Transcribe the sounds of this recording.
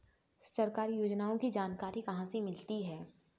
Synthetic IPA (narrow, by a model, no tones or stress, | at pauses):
sɐɾkaːɾijoːd͡ʒnaːõkid͡ʒaːnkaːɾikɐɦãsemɪlt̪iɦɛː